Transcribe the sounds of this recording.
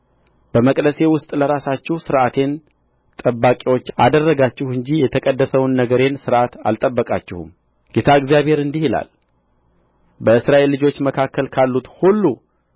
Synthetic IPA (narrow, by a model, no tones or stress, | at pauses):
b̥əməkʼd̪əse̞wʊst̪ʼləɾasat͡ʃːɪhsɨɾʔat̪ʰe̞n | t̪ʼəbːakʼiwo̞t͡ʃːa̰d̪ərːəɡat͡ʃːɪhɨɲd͡ʒijɛt̪ʰəkʼəd̪ːəsəwnːəɡəɾe̞nsɨɾʔat̪a̰lt̪ʼəbːəkʼa̰t͡ʃːɪhṵm | ɡe̞t̪ʰaɨɡzijaβhe̞ɾɨnd̪ihila̰l | bəɨsɾaʔe̞lːɨd͡ʒo̞t͡ʃːməkʰakːəlkʰalːut̪hulːu